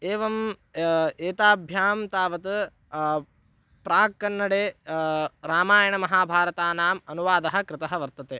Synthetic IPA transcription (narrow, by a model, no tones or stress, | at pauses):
eːʋɐm | eːt̪aːbʱjaːmt̪aːʋɐt̪ | pɾaːkːɐnːɐɽeː | ɾaːmaːjɐɳɐmɐɦaːbʱaːɾɐt̪aːnaːmɐnuʋaːd̪ɐɦɐ̆kɾɪt̪ɐɦɐʋɐɾt̪ɐt̪eː